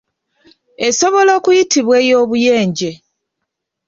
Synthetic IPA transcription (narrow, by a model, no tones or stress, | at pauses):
eso̞βo̞lo̞ːkujitiβwe̞ːjo̞ːβuje̞ːɲɟe̞